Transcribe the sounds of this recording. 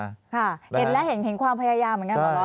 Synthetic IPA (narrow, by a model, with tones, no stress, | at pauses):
kʰa˧˩he˨˩˦nlɛ˦˥ɦe˩˦nhe˨˩˦nkʰwaː˧mpʰa˧jaː˧jaː˧mːɯ˩˦ŋka˧˥ɔ˧˩a˦